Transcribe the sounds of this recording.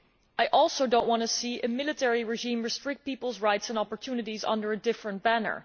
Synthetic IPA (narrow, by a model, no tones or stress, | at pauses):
ʔajʔɔlˠsoʊdõʊ̃nʔwɑ̃ntɨsiʔɨmɪlˠɨtʰɛɹiɹɪʒĩmɹɨstɹ̥ɪk̚t̚pipl̩ˠzɹaɪtsə̃nɑpəɹtʰjunɨɾizʌ̰̃ndə˞ɨdɪfɹə̃nt̚b̥ænə̰˞